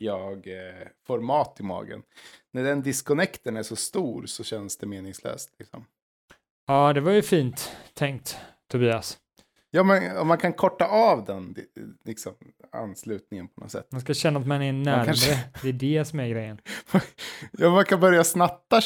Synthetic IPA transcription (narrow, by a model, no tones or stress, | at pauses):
jɑːɡfɔɾmɑːt̪ɪmɑ̰ːɡə̰nnæɖɛnd̪ɪskɔnɛkt̪əɳæʂɔst̪uːɾsɔɕɛnsd̪ɛmeːnɪŋslø̰ːst̪lɪksɔ̰m | ɑːd̪ɛvaɾjɵfiːnt̪ʰːɛŋk̚t̪ʰː | ʊbiːas | jɑːmɛnɔ̰mːankʰankʰɔʈːaʔavd̪ɛnlɪksɔm | a̰nːslʉ̟ːt̪̚nɪŋənpʰɔnɔ̰sɛ̰t̪ːmanskaɕɛnːat̪manɛnæːɾɾəd̪ɛːɖɛsɔmæɾɡɾɛjːənajɑːmankʰanbœɾjasnat̪ːa